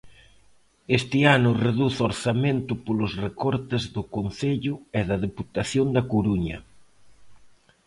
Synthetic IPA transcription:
est̪ɪanʊreðuθoɾsament̪ʊpolʊsrekɔɾt̪ɪzðʊkon̟θeʎʊɛðɐðeput̪aθjond̪ɐkoɾuɲɐ̰

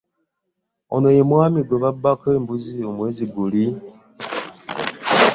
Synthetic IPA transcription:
ono̞jemwaːmiɡweβabːakeːmbuzio̞mwe̞ːziɡuli

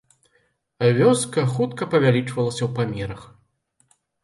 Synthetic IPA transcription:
vʲɔskɐxut̪kɐpɐvʲalʲit͡ʂvɐlˠɐsʲɐwpamʲɛɾɐx

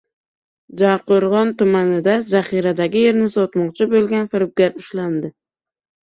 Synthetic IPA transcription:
d͡ʒaqoɾʁɒnt̪ʊmanɪd̪azaχiɾad̪aɡʲɪje̞ɾnɪsɒt̪mɒqt͡ʃʰɪbolˠɡʲanfɪɾɪp̚ɡʲaɾʊʃland̪ɪ

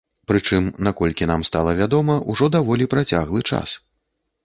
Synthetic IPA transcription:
pɾɨt͡ʂɨmnakɔlʲkʲinamst̪alˠɐvʲad̪ɔmɐʔuʐɔd̪avɔlʲipɾat͡sʲa̰ɣlˠɨt͡ʂa̰s

